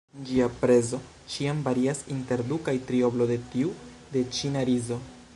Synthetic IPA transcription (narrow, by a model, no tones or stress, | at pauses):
nd͡ʒiapɾe̞zo̞ | t͡ʃiamvaɾiasinte̞ɾdukajtɾio̞blo̞de̞tiu | de̞t͡ʃinaɾizo̞